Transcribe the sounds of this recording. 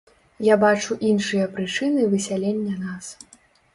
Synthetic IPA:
jabat͡ʂuʔinʂɨjɐpɾɨt͡ʂɨnɨvɨsʲalʲenʲːɐnas

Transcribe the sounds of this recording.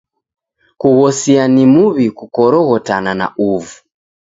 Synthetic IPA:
kuɣɔsianimuβikukɔɾɔɣɔtanana̰ʔuvu

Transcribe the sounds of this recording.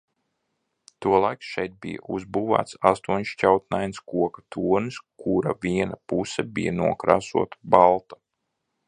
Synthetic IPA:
t̪uɔlˠajksʃɛjt̪̚bḭja̰uzbuːva̰ːt̪sast̪uɔɲʃt͡ʃawt̪̚najnskuɔkḁt̪ʰuːnɨskʰuɾavʲiɛnapusɛbijanuɔkɾaːsuɔt̪ḁbalˠt̪a

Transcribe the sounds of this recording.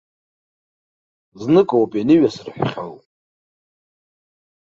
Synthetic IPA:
znɨkʼowapʼanɨɥasɨrħʷᶣχʲa̰lʼ

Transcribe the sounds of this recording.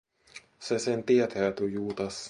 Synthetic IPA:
sesent̪iɛt̪æːt̪ujuːt̪ɑs

